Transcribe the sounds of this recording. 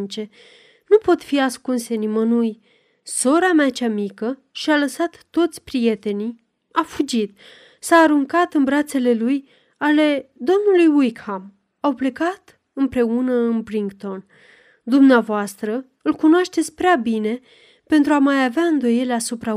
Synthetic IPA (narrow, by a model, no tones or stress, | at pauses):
nt͡ʃe̞ | nupo̞t̪fiaskunse̞nimənuj | so̞ɾameat͡ʃamikə | ʃialəsat̪ːo̞t̪sʲpɾije̞t̪e̞ni | afud͡ʒit̪̚ | saːɾuŋkat̪ɨnbɾat̪se̞le̞luj | ale̞d̪o̞mnulujwujkham | awple̞kat̪ | ɨmpɾe̞unəɨnbɾiŋkt̪o̞n | d̪umneavoast̪ɾə | ɨlkunoaʃt̪et̪sʲpɾeabine̞ | pe̞nt̪ɾuamajaveaɨnd̪o̞je̞leasupɾa